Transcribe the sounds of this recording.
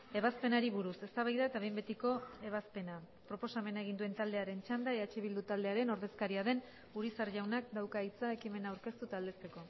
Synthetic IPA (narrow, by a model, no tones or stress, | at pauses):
e̞βaspe̞naɾiβuɾuse̞st̪aβajðae̞t̪aβe̞mbe̞t̪iko̞e̞β̞aspe̞na | pɾo̞po̞same̞nae̞ɣ̞ind̪ue̞nt̪ald̪e̞aɾe̞nt͡ʃand̪aeðat͡ʃiβ̞ild̪ut̪ald̪e̞aɾe̞no̞ɾðe̞skaɾiaðe̞n | uɾisaɾʝawnak̚d̪awkait͡sae̞kime̞naːwɾke̞st̪ut̪ald̪e̞st̪eko̞